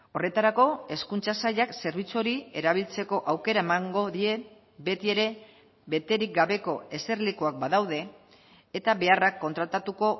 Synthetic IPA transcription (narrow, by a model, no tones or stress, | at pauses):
o̞re̞t̪aɾako̞e̞skunt͡sasaʎakse̞ɾβ̞it͡soɾie̞̰ɾaβ̞ilt͡se̞ko̞ʔawke̞ɾae̞maŋɡo̞ðie̞ | be̞t̪ie̞ɾe̞ | be̞t̪e̞ɾik̚ɡaβe̞ko̞e̞se̞ɾlikuak̚baðawðe̞ː | t̪aβe̞arakːo̞nt̪ɾat̪at̪uko̞